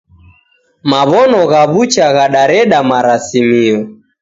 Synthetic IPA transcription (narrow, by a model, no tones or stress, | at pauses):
maβɔnɔɣaβut͡ʃaɣaɗaɾɛɗamaɾasimiɔ